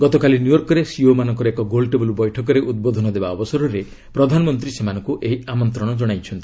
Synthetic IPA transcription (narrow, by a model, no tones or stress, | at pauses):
ɡɔt̪ɔkalinjujɔɾkɔɾesiomanɔ̃ŋkɔɾekɔɡolʈebɔlubɔjʈʰɔk̬ɔɾeʔud̪̚bod̪ʱɔnɔd̪ebaɔbɔsɔɾɔɾe | pɾɔd̪ʱanɔmɔnt̪ɾisemanɔŋkuʔeɦiamɔnt̪ɾɔɽ̃ɔd͡ʒɔɽ̃ajt͡ʃʰɔnt̪i̥